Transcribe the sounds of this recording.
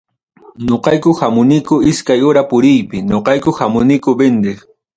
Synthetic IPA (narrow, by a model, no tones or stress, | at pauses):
ɲoqɑjkʊhamʊnɪkʊɪskajʊɾapʊɾɪjpɪɲoqɑjkʊhamʊnɪkʊbend̪ɪχ